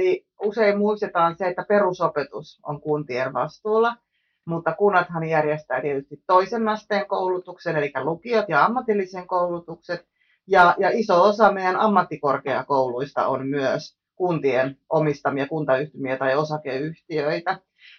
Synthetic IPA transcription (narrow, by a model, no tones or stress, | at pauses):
li | useimmuist̪et̪ɑːnseet̪ːæperusopet̪uso̰ŋkunt̪ienʋɑ̰st̪uːlːɑ | mut̪ːɑkunːɑt̪hɑnjærjest̪æːt̪iet̪yst̪it̪toisenːɑst̪eːŋkoulut̪uksenelikːælukiot̪jɑɑmːɑt̪ilːiseŋkoulut̪ukset̪ | jɑjɑisoosɑmeijænɑmːɑt̪ːikorkeɑ̰kouluist̪ɑ̰ʔommyøs | kunt̪ienʔomist̪ɑmiɑkunt̪ɑyht̪ymiæt̪ɑjosɑkeyht̪iøit̪æ